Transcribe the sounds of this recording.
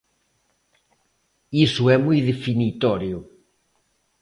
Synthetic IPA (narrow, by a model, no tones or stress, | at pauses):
isʊɛmujðefinit̪ɔɾjʊ